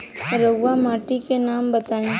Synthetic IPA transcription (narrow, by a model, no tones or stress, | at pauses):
ɾəɡʋamaːʈikenaːmbɐt̪aːĩ